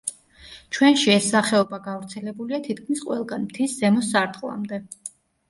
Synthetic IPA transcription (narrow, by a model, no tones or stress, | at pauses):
t͡ʃʰwɛnʃiɛsːaχɛɔbaɡavɾt̪sʰɛlɛbuliat̪ʰit̪̚kʰmisqʼwɛlˠɡanmt̪ʰiszɛmɔsːaɾt̪ʰʼχʼlˠa̰md̪ɛ